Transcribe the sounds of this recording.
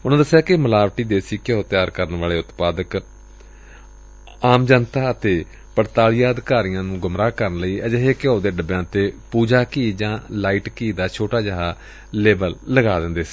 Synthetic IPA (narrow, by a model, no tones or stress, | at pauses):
ʊnãːd̪əsːɪjaːkɪməlaːʋʈiːd̪eːsiːkjoːt̪ɪjaːɾkəɾənʋaːleːʊt̪paːd̪ək | aːmd͡ʒənt̪aːət̪eː | pəɽt̪aːlɪjaːd̪kaːɾɪjãːnũːɡʊmɾaːkəɾənləiːɛd͡ʒəɦeːkjoːd̪eːɖəbjãːt̪eːpuːd͡ʒaːkiːd͡ʒãːlaːiːʈkiːd̪aːt͡ʃʰoːʈaːd͡ʒəɦaː | leːbəlːəɡaːd̪ɪnd̪eːsi̥ː